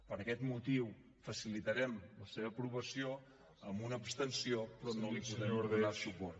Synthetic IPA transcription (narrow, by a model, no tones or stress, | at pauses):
pəɾəkɛt̪mut̪iw | fəsilit̪əɾɛmləseβəpɾuβəsio | əmbunəːpst̪ənsiopɾɔnolipuðɾɛɛmunasupɔr